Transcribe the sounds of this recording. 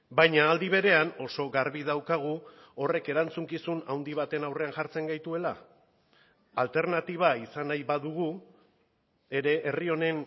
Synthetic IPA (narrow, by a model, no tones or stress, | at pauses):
bajɲaːld̪iβ̞e̞ɾe̞ano̞so̞ɣaɾβið̞awkaɣ̞u | o̞re̞ke̞ɾant͡suŋkisunawnd̪iβ̞at̪e̞nawre̞anʝaɾt͡se̞ŋɡajt̪ue̞la | lt̪e̞ɾnat̪iβ̞aisanajβaðuɣ̞u | e̞ɾe̞ʔːrio̞ne̞n